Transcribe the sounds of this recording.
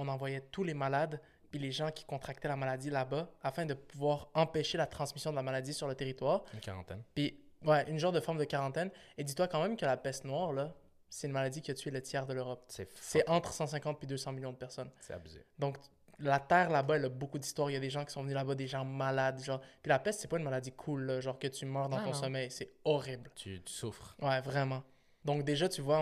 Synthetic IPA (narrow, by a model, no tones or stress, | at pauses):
ɔ̃nɑ̃vwajɛt̪ulemalad̪ | pileʒɑ̃kʲi̥kɔ̃t̪χak̚t̪ɛlamalad̪ilabaafɛ̃d̪əpuvwaːʁɑ̃peʃelat̪χɑ̃smisjɔ̃d̪əlamalad̪isyʁlət̪eʁit̪waːʁynka̰ʁɑ̰̃t̪ɛnpiwɛʔynʒɑ̃ʁtd̪əfɔʁmd̪əkaʁɑ̃t̪ɛned̪it̪wakɑ̃mɛ̃mkʲəlapɛsnwaːʁla | sɛt̪ynmalad̪ikʲət̪yɛlət̪ʰjɛʁd̪əløʁɔp̚sɛsɛʔɑ̃t̪χsɑ̃sɛ̃kɑ̃t̪̚pɥid̪øsɑ̃miljɔ̃d̪əpɛʁsɔnsɛa̰byzḛd̪ɔ̃k | lat̪ɛːʁlabaɛləbokud̪ist̪waːʁiljad̪eʒɑ̃kʲi̥sɔ̃vənylabad̪eʒɑ̃malad̪ʒɑ̃ːʁpilapɛst̪sɛpaynmalad̪ikʰulːʌʒɑ̃ːʁkət̪ymœːʁd̪ɑ̃t̪ɔ̃sɔmɛjsɛɔʁiblt̪yt̪y̥sufχwɛvʁɛmɑ̃ | d̪ɔ̃k̚d̪eʒat̪yvwa